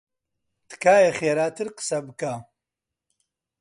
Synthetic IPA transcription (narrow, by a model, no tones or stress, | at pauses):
t̪ɨ̥kʰaːjeχeːɾaːt̪ʰɨɾqə̥sɐbɨkʰa